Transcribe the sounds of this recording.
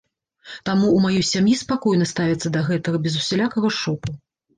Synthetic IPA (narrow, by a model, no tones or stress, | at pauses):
t̪amuːmajɔjsʲamjispakɔjnɐst̪avʲit̪sːɐd̪ɐɣɛt̪ɐɣɐbʲɛzusʲɛlʲakɐɣɐʂɔpu